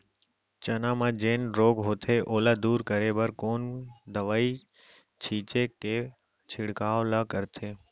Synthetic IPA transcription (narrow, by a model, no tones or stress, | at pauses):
t͡ʃənãːmãːd͡ʒeːnɾoːɡɦoːt̪ʰeʔoːlaːd̪uːɾkəɾeːbəɾkoːnd̪əʋaːiː | t͡ʃʰiːt͡ʃeːke | t͡ʃʰɪɽkaːʋlaːkəɾt̪ʰeː